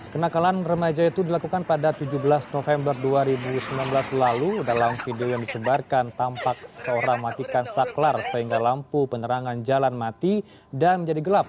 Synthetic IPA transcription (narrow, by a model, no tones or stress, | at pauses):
kənakalanrəmad͡ʒait̪udilakukanpadat̪ud͡ʒubəlasnofɛmbərduaɾibusəmilanbəlaslaludalamfideojaŋdisəbarkant̪ampak̚sə̥səoɾaŋmat̪ikansaklarsəɦiŋɡalampupənəɾaŋand͡ʒalanmat̪i | danməɲd͡ʒadiɡəlap̚